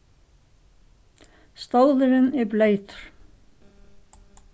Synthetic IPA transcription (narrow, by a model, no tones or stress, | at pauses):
st̪owðʏɾɪnɛɾpleːjt̪ʏ̥ɾ̥